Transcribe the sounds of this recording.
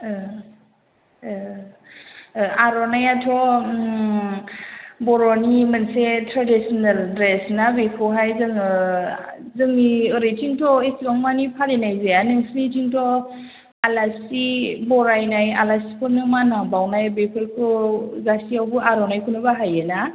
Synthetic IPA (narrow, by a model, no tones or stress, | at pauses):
aɾɔnajatʰɔ | bɔɾɔnimənsetʰɾadisɔnaldɾesnabekʰɯwɦajzɯŋɯ | zɯŋiɯɾejtiŋtɔesibaŋmanipʰaɾenajzeanɯŋsnitiŋtʰɔ | alasibɔɾajnajalasi̥pʰɔnɯmanabawnajbekʰɯɾkʰɯzasiawbɯʔaɾɔnajkʰunɯbaɦajɯna